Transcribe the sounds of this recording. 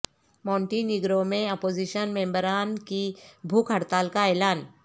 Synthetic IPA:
mɔ̃ːɳʈiniɡɾomẽɔpoːd͡ʒiʃənmẽːmbəɾaːnkibʱuːkʰəɽt̪aːlkaeːlaːn

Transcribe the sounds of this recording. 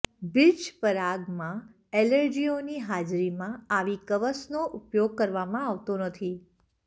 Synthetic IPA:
bɪlt͡ʃpəɾaɡmã | eləɾd͡ʒioniɦad͡ʒɾimãaʋikəʋəsnoʔupjoɡ̚kəɾʋamãaʋt̪onət̪ʰi

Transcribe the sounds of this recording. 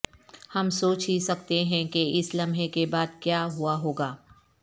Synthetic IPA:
hɐmsoːt͡ʃɦisɐk̚t̪eɦɛ̃keɪslɐmʱɦekebaːd̪kjaːɦuaɦoːɡaː

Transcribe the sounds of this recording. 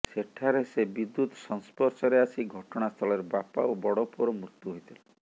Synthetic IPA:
seʈʰaɾesebid̪ːut̪ɔ̥sɔŋspɔɾsɔɾeasiɡʱɔʈɔɽ̃ast̪ʰɔleɾbapa̰obɔɽɔpuɾɔmɾut̪uɦojt̪ʰile

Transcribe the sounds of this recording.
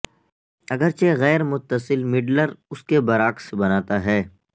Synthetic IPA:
ɐɡəɾt͡ʃeɣɛːɾmʊt̪ːəsɪlmɪɖləɾʊskebɐɾaːksbɐnaːt̪aɦɛː

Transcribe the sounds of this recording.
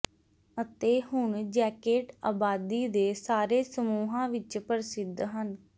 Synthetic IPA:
ət̪eːhʊɳd͡ʒɛːkeːʈaːbaːd̪iːd̪eːsaːɾeːsəmuːɦãːʋɪt͡ʃpəɾɪsɪd̪ɦən

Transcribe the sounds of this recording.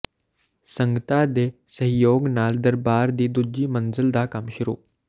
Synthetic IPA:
səŋɡət̪ad̪esəɦjoːɡnaːld̪əɾbaːɾd̪iːd̪ud͡ʑiːmənd͡zəld̪ʱaːkamɕiɾṵː

